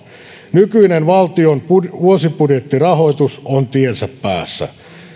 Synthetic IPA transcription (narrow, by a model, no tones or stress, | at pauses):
nykyinenʋɑlt̪ionpʋuosipudjet̪ːirɑho̞it̪usont̪iensæpːæːsːæ̰